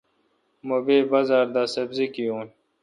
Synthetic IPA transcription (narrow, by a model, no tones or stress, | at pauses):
mobeːbɐzaːɾd̪aːsɐbzikijũːn